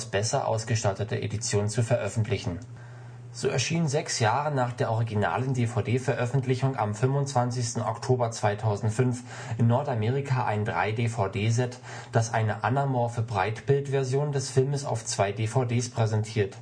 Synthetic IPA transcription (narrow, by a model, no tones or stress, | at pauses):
sb̥ɛsɐʔa̰ʊsɡ̥əʃtatətə̰ʔḛdit͡sjoːnt͡sufɛɐʔœfn̩tʰlɪçn̩ | z̥oːʔɛ̰ɐʃiːənzɛksjaːʁənaːχd̥eːɐʔɔʁiɡina̰ːləndeːfaʊdeːfɛɐʔœfn̩tʰlɪçʊŋʔa̰mfʏmvʊnt͡sv̥ant͡sɪçstn̩ɔ̰ktʰoːbɐt͡sv̥aɪtʰaʊzn̩tfʏnf | ʔɪnːɔɐtameːʁ̞ɪkʰaːʔa̰ɪndʁa̰ɪdeːfaʊdeːzɛt | d̥asʔa̰ɪnəʔa̰namɔɐfəbʁa̰ɪtb̥ɪltv̥ɛɐzjoːndɛsfɪlməsa̰ʊft͡sv̥aɪdeːfaʊdeːspʁ̥ɛzɛntʰiːɐt